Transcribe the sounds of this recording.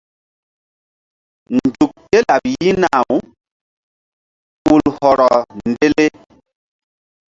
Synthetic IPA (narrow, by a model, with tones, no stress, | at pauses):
nd͡ʒu˨k̚te˦la˨p̚ji˦na˨wu˨˦ | u˨lhɔ˨ɾɔ˨nde˦le˦